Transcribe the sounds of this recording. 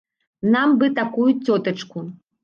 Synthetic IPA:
nambɨt̪akujut͡sʲɔt̪ɐt͡ʂku

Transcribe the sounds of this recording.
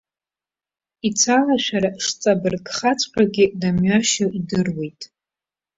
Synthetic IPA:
it͡sʰalaʃʷᶣaɾaʂt͡sʼabɨrkʼχat͡sʰʼqʲʷʼaɡʲɪdamɥaʃaidɨrwejtʼ

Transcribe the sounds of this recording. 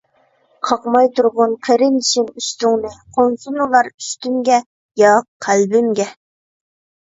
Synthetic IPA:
qʰɑqmɑjt̪ʰuɾʁʊnqʲʰeɾɪnʃimyʃt̪uŋnɨqʰonsunulˠɑɾyʃt̪ymɡʲɛ | jɑqʰælbɪmɡʲɛ

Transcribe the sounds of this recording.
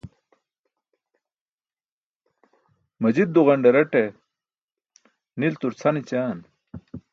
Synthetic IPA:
mɐd͡ʑid̪̚ːuʁɐɳɖeɾɐʈe | nilt̪uɾt͡sʰɐnit͡ɕaːn

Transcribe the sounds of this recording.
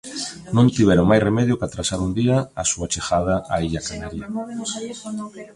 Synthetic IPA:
nõnt̪iβ̞ɛɾoŋmajsremɛðjokat̪ɾasaɾund̪iaasuat͡ʃexaðaaiʎakanaɾja

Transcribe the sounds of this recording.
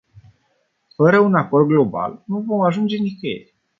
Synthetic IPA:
fəɾəunakord̪̚ɡlo̞ba̰lnuvo̞maʒund͡ʒe̞nikejḛlʲ

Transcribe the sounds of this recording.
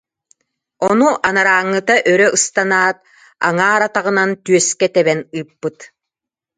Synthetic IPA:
ɔnuʔanaɾaːŋːɯt̪aʔœɾœʔɯst̪anaːt̪̚ | a̰ŋaːɾat̪aʁɯ̆nant̪yœskɛt̪ɛβɛnɯːpːɯt̪

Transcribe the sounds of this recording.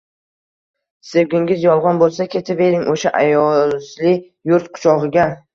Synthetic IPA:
sewɡʲɪŋɡʲɪzjɒlˠʁɒnbolˠsakʲʰe̞t̪ʰɪpe̞ɾɪŋʔoʃaʔajɒzlɪ | jʊɾt̪qʰʊ̥ʃɒʁɨɡʲa

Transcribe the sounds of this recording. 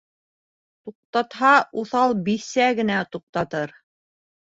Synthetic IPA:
t̪uq̚t̪ɑt̪hɑuθɑlˠbisæɡɘ̆næt̪uq̚t̪ɑt̪ɤɾ

